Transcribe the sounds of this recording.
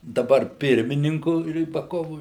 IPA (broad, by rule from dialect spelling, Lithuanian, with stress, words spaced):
dɐˈbɐr ˈpʲɪrʲmʲɪnʲɪŋkʊ rʲiːbɐˈkoːʋʊ